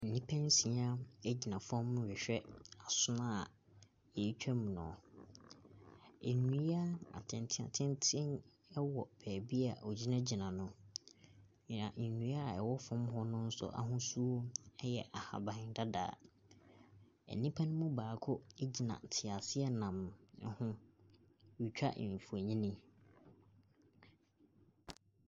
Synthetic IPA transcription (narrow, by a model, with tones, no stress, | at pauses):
n̩˨nĩ˦pʰɛ̃˦n˦sĩ˨a˦ɛ˦d͡ʑi˨nã˨fɔ̃˦m̃ː˦ɥɪ˨ɕᶣɛ˦a˨sʊ˦nã˦˨ | jɛ˨˦t͡ɕᶣɛ˦m̃˨nɔ̰̃˨ | e˨nũ˨˦i˦a˦a̰˨tʰɪ̃˨ntʰɪ˦a̰˨tʰɪ̃˦ntʰɪ̃˦n | ɛ˦wɔ˨pʰɛː˨bi˦a˨ʔɔ˨d͡ʑi˦nã˦d͡ʑi˨nã˨nʊ̃˦˨ | ã˨nũ˨˦a˦a˨ɛ˨wɔ˦fʊ̃˨˦mɦɔ˦nʊ̃˦n̩˦sʊ̰˦ʔa̰˨ɦʊ̃˦su˦o˦ɛ˦jɛ˨ʔa˨ha̰˨bã˨ɪ̃˨n˨da˦da̰ː˨˦˨ | ɛ̰˨nĩ˦pʰa˦nʊ̃˦mũ˦baː˨kʰʊ˦e˦d͡ʑi˨nã̰˨tʰɪ˨a˨sɪ˦ɛ˦nã˨m˦hʊ̃˦ | wi˨t͡ɕᶣa̰˦ʔfu˨e˨ɲĩ˦nĩ˦